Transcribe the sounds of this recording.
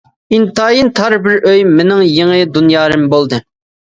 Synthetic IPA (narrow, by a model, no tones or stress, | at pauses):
int̪ɑːjint̪ʰɑɾbɪɾʔøjmɪnɪŋjeŋɨd̪unjɑːɾɨmbolˠd̪ɨ